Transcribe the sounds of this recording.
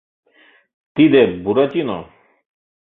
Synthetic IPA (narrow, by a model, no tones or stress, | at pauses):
t̪id̪eɾbuɾat͡ɕinɔ̰